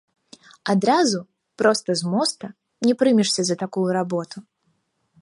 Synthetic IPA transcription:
ad̪ɾazu | pɾɔst̪ɐzmɔst̪ɐ | nʲɛpɾɨmʲiʂsʲɐzɐt̪akujuɾabɔt̪u

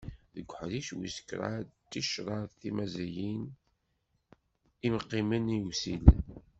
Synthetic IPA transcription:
ðəɡʷːħðiʃwḭsə̥kɾˤa̰tːiʃɾˤɑðˤθimæzæjin | imqːiməniwsil

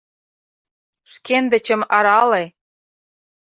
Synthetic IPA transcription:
ʃkend̪ə̆t͡ɕə̆mɑɾɑle

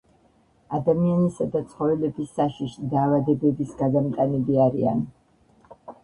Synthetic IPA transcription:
ad̪amianisad̪at̪sʰχɔvɛlɛbisːaʃiʃid̪aːvad̪ɛbɛbisɡad̪amt̪ʼaniliaɾḭa̰n

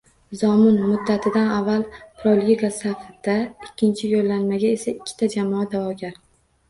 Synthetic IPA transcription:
zɒmɪnmʊd̪ːat̪ʰɪd̪anavːalˠpʰɾolˠjiɡasafad̪aɪkʲːɪnt͡ʃʰɪjolːanmaɡʲae̞saɪkʲʰːɪ̥t̪ʰad͡ʒamɒad̪avɒɡʲaɾ

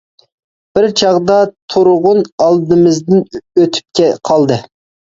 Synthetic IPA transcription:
b̥ɪɾt͡ʃʰɑʁd̪ɑt̪ʰʊɾʊʁʊnɑlˠd̪ɨmɪzd̪ɪnøt̪ʰy̥p̚kʲɛqʰɑlˠd̪ɨ

